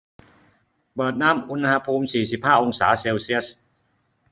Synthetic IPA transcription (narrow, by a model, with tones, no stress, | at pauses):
pɤː˨˩t̪̚naː˦˥mʔu˧n˧ha˧pʰuː˧msiː˨˩si˨˩p̚haː˥˩ʔo˧ŋsaː˩˦seː˧wsi˦˥əs